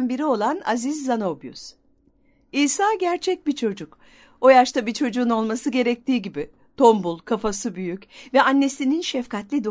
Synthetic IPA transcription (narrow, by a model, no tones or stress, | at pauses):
nbiɾio̞lˠana̰zizːano̞bjṵs | iːsaːɟæɾt͡ʃʰɛc̚bit͡ʃʰo̞d͡ʒuk | o̞jaʃt̪abit͡ʃʰo̞d͡ʒuːno̞lˠmasɯɟe̞ɾɛc̚t̪ʰiːɟibi | t̪ʰo̞mbulˠkʰafasɯbyjycvɛanːe̞sininʃɛfkʰat̪lʲid̪o